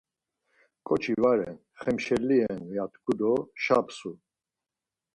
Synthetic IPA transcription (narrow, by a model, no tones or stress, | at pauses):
kʼɔt͡ʃʰivaɾɛ̰n | χɛmʃɛlːiɛnviat̪ʰɡud̪ɔʃapsu